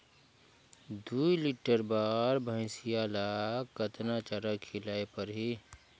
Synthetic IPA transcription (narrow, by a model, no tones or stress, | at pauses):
d̪uiliʈəɾbaːɾbʱə̃ɪsijalakət̪nat͡ʃəɾəkʰɪlaːepəɾɦi